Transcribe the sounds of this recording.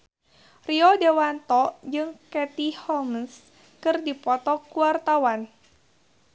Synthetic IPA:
riɔdewant̪ɔd͡ʒɨŋkɛt̪ihɔməns | kɨrdipɔt̪ɔkuart̪awan

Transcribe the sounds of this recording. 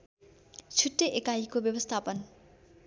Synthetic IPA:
t͡sʰuʈːeʔekajkobjʌbʌst̪ʰapʌn

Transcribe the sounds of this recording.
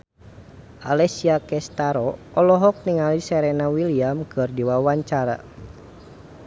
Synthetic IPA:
ʔalɛsiakɛst̪aɾɔɔlɔɦɔk̚niŋalisɛɾɛnawiliamkʰɨrdiwawaɲt͡ʃaɾa̰

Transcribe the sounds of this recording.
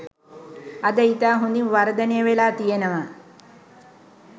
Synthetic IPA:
ad̪əit̪aːɦund̪inʋaɾəd̪ənejəʋelaːt̪ijenəʋa

